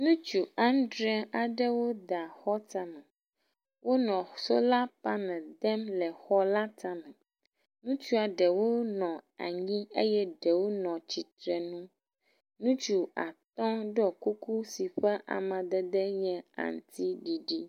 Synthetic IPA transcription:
nũ˦t͡ʃu˨ã˦ndɾɛ˦a˨ɖɛ˦wo˦d̪a˨xɔ˦t̪a˦mɛ̃˨ | wʔo˦nɔ̃˨so˦la˦pa˦nɛ̃˨d̪ɛ˦mlɛ˨xɔ˦la˦t̪a˦mɛ̃˨ | nũ˦t͡ʃu˦a˨ɖɛ˨wo˦nɔ̃˨a̰˨ɲĩ˦ḛ˦jɛ˦ɖɛ˨wo˦nɔ̃˨t͡ɕi˨t̪ɾɛ˨nũ˦ | nũ˦t͡ʃu˨a̰˨t̪ɔ̃˦ɖɔ˦ku˦ku˦si˨ɸɛ˦ʔa̰˨mɛ̃˨d̪ɛ˦d̪ɛ˦ɲɛ̃˦ã̰˨n˦˨t̪ʰi˦ɖi˨ɖi˦

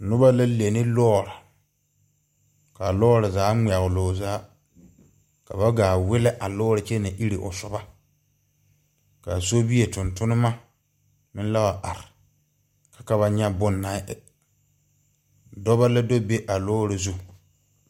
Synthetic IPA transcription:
nʊ˦ba˦la˦le˨nɪ˦lɔ˦˨ɾa˨ | ka˨lɔː˦ɾɪ˨zaː˨˦ŋ͡ma˨ɣʊ˨lʊː˨zaː˨˦ | ka˨ba˦ɡaː˨wɪ˦lɛ˦ʔa˨lɔː˦ɾɪ˨t͡ʃe˦na˨ʔi˦ɾi˨ʔʊ̰˨sʊ˨ba˦ | ka˨so˦bi˦e˨tʊ˨ntʊ˦nʊ˦ma˦ | mɪ˦n˦la˦wa˨ʔa˨ɾɪ˨ | kḁ˨ka˨βa˦ɲɛ˦bʊ˦nːa˨ɪ˦˨ | dɔ˦ba˦la˦do˦be˦ʔa˨lɔː˦ɾɪ˨zu˦

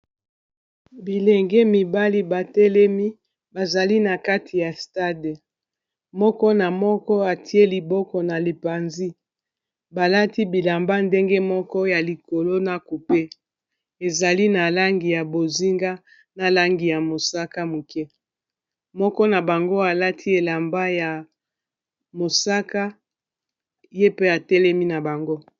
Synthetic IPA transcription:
bi˨lɛ˨ŋɡɛ˦mi˨ba˦li˦ba˨tɛ˦lɛ˦mi˦ | ba˨za˨li˦na˨ka˦tʰi˨ja˨sta˦de˨ | mɔ˦kɔ˦na˨mɔ˦kɔ˦a˨tʰi˦e˦li˨bɔ˦kɔ˨na˨li˨pa˨nzi˦ | ba˨la˦ti˦bi˨la˨mba˦nde˦ŋɡe˦mɔ˦kɔ˦ja˨li˨ko˨lo˦na˦ku˨pe˦ | e˨za˨li˦na˨la˦ŋɡi˨ja˨bo˨zi˦ŋɡa˦ | na˨la˦ŋɡi˨ja˨mo˨sa˦ka˦mo˨kɛ˦ | mɔ˦kɔ˦na˨ba˨ŋɡo˦a˨la˦tʰi˦e˨la˨mba˦ja˨ | mo˨sa˦ka˦ | je˦pe˦a˨tɛ˦lɛ˦mi˦na˨ba˨ŋɡo˦

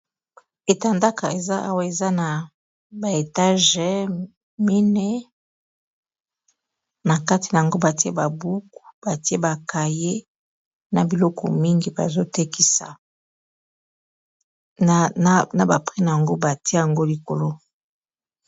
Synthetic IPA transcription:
e˨ta˨nda˦ka˨e˨za˦a˦wa˦e˨za˦na˨ | ba˨e˨ta˦ʒɛ˨ | mi˦nɛ˦ | na˨ka˦ti˨na˨a˨ŋɡo˦ba˨ti˦a˦˨ba˨bu˦ku̥˨b̥a˨ti˦e˦ba˨ka˨je˦ | na˨bi˨lɔ˦kɔ̰˨mi˦ŋɡi˨ba̰˨zo˦te˦ki˨sa̰˨˦ | na˨ba˨pχɛ˦na˨a˨ŋɡo˦ba˨ti˦˨a˨ŋɡo˦li˨ko˨lo˦

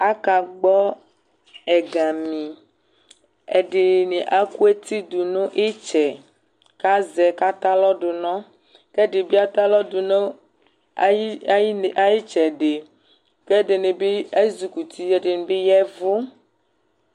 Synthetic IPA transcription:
a˦ka˨ɡ͡bɔ˦ | ɛ˨ɡa˨mĩ˨ | ɛ˨ɖe˨ne˨ʔa˦ku˦e˦t̪i˦d̪u˨nõ˦ʔe˦t͡ʃɛ˨ | ka˦zɛ˨ka˦t̪a˦lɔ˦ɖo˨nɔ̃˦ | kɛ˦ɖe˨bi˦a˦t̪a˦lɔ˦du˨no˦ | i˦˨ʔa˦ji˦t͡ʃɛ˨ɖe˨ | ke˦ɖe˨ne˨be˦e˦zu˨ku˨t̪ʰi˦ɛ˨de˨ne˨be˦jɛ˦vo˦

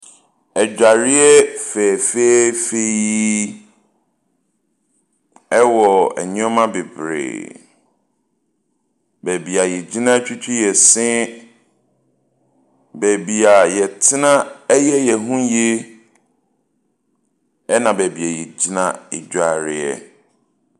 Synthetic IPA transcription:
ɛ˨d͡ʑᶣa˨ɾɪ˦ɛ˦fɛ˨fe˦fe˦ji˦ | ɛ˦wɔ˨ɛ̰˨ɲɪ̃˦ɔ˦mã˦be˨bɾḛː˨ | bæ˨bi˨a˨jɛ˨d͡ʑi˦nã˦t͡ɕᶣi˦t͡ɕʰᶣi˦jɛ˨sɪ̃˦ | bɛ˨bi˨a˨jɛ˨tʰɪ˦nã˦ɛ˦jɛ˦jɛ˨ɦũ˦je˦ | ɛ˦nã˨bæ˨bi˨ɛ˨jɛ˨d͡ʑi˦nã̰˦e˨d͡ʑᶣa˨ɾɪ˦ɛ̰˦

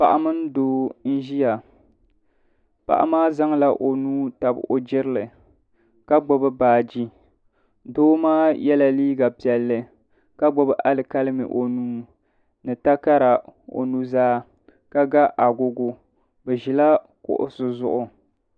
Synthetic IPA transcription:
pa˨ʔa˨mɨ˦n˦doː˦n̩˦ʒi˦ja˨ | pa̰˨ʔa̰˦maː˦za˦ŋla˦ʔo˨nuː˦ta˨b̰o˨d͡ʒɪ˦ɾɨ˦lɨ˨ | ka˦ɡ͡bʊ˦bɨ˦baː˨d͡ʒi˦ | doː˦maː˦jɛ˦la˨liː˦ɡa˨pi˨ɛ˨lːɨ˨ | ka˦ɡ͡bʊ˦bʔa˦lɨ˨ka˦lɨ˦mɨ̰˨ʔo˨nuː˦ | nɨ˨ta˦ka˦ɾa˨o̰˨nu˦zaː˦ | ka˦ɡa˦ʔa˨ɡʊ˦ɡʊ˦ | bɛ˨ʒi˨la˦ | kʊ̰˨ʔʊ̰˦sʊ˨zʊ̰˦ʔʊ˨

